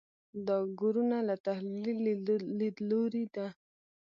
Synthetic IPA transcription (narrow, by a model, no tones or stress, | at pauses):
d̪ɑɡuɾunalat̪ahlillid̪loɾid̪a